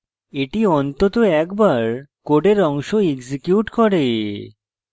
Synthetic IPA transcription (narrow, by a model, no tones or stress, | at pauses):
eʈiɔnt̪ot̪oɛkbaɾkoɖeɾɔŋʃoeɡsikjuʈkɔɾe